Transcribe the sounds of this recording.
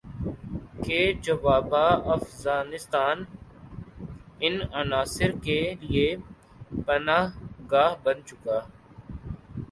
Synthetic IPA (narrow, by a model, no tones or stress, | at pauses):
keːd͡ʒɐʋaːbaːɐfɣaːnɪst̪aːn | ɪnɐnaːsɪɾkelie | pɐnaːɦɡaːɦbɐnt͡ʃʊkaː